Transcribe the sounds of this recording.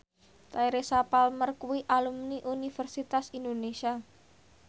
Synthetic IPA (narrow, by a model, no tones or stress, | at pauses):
t̪aiɾesapalmərkuwiʔalumniʔunifərsit̪asindonesia